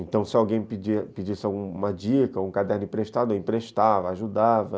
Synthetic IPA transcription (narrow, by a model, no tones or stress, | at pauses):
ẽnt̪ɐ̃w̃sɪawɡẽj̃pid͡ʒipid͡ʒisɪawɡũmɐd͡ʒikɐoũkad̪ɛɾnʊĩmpɾeʃt̪ad̪ʊoĩpɾeʃt̪avɐaʒud̪avɐ